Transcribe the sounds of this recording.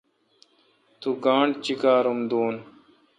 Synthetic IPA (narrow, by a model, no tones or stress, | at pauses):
t̪uɡãːɳɖt͡ɕikaːɾumd̪uːn